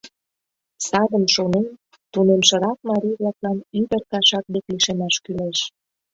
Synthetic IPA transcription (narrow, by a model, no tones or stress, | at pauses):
sɑd̪ə̆mʃonen | t̪unemʃə̆ɾɑk̚mɑɾʲiβlɑklɑnyβə̆rkɑʃɑk̚d̪ekliʃemɑʃkyleʃ